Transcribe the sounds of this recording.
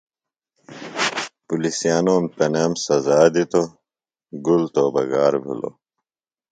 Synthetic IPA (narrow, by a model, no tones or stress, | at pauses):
pulisijaːnoːmt̪ɐnemsɐzaːd̪it̪o | ɡult̪obɐ̰ɡaːɾbʱṵlo̰